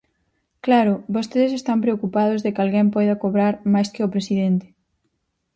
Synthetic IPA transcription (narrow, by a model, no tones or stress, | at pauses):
klaɾʊbost̪eðesest̪ampɾeokupað̞ʊzðɪkalɣɛmpɔjðɐkoβɾaɾmajskɪopɾesiðent̪ɪ̥